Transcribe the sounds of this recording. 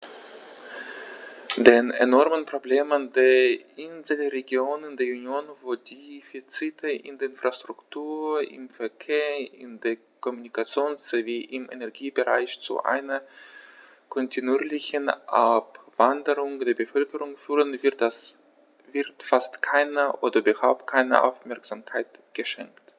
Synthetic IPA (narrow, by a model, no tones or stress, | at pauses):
deːnḛnɔɐmənpʁ̥obleːməndeːɐʔɪnzl̩ʁeɡjoːnəndeːɐunjoːnvoːdeiːfit͡sitʰəʔɪ̰ndeːɐɪnfʁ̥astʁ̥ʊktʰuːɐɪ̰mfɛɐkʰeːɐɪ̰ndeːɐ | kʰɔmunikat͡sjoːnsz̥eviːʔɪmḛnɛɐɡiːbəʁa̰ɪçt͡sṵʔa̰ɪnɐ | kʰɔntʰinuiːlɪçənʔa̰pv̥andəʁʊŋd̥eːɐbəfœlkəʁʊŋfyːʁənvɪtas | vɪɐtfastkʰaɪnəʔoːdɐʔybɐhaʊp̚t̚kʰaɪnə̰ʔa̰ʊfmɛɐkz̥amkʰaɪtɡ̥əʃɛ̰ŋkt